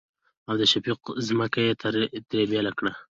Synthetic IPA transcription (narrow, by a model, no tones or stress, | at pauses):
awd̪əʃafiqzməkajet̪aɾt̪aɾebjalakɽa